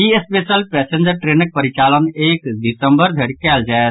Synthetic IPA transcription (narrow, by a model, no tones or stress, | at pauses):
jiespesəlpɛsẽnd͡ʒəɾʈɾenək̚pəɾit͡ʃalənekɖisə̃mbəɾd̪ʱeɽkɛːld͡ʒaet̪